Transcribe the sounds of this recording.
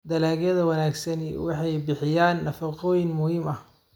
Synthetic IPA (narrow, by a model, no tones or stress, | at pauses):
d̪ɐlaːɣjɐðɐwɐnaːɡsɐnḭwɑħɑjbɪħɪjaːnːɐfɐqɔːjɪŋmʊhiːmɐh